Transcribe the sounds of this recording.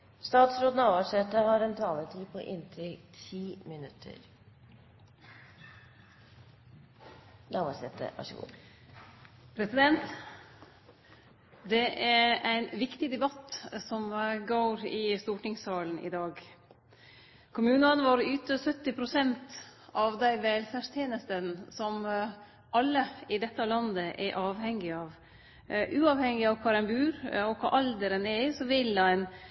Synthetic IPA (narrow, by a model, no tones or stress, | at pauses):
st̪ɑːt̪sɾoːd̪nɑːʋɑʂɛt̪ːəhɑɾɛnt̪ʰɑːlət̪ʰiːpʰɔ̰ʔɪnt̪ʰɾɪt̪ʰiːmɪnʉt̪ʰə̰ɾ | nʔɑʋɑʂɛt̪ə̰ʋɑ̰ʂəɡṵː | pʰɾɛsɪd̪ɛnt̪ | d̪ɛʔæɾæɪnʋɪkt̪ɪd̪ɛbɑt̪sɔmɡoːɾɪst̪uːʈɪŋsɑːln̩ɪ̰d̪ɑːɡ | kʰʊmʉːnɑnʋɑːɾʏt̪əsœt̪ːɪpʰɾʊsɛnt̪ɑʋd̪æɪʋɛːlfæʂt̪ʰjeːnəst̪ənsɔm | ʔɑlːəɪd̪ɛt̪ːəɑlɑnd̪əʔɛʔɑːʋhɛŋːɪɑːʋ | ʔʉːɑːʋhɛŋɪɑʋkʰɑːɾænbʉːɾɔkʰɑ̰ʔɑld̪əɾənɛsɔʋɪlɑn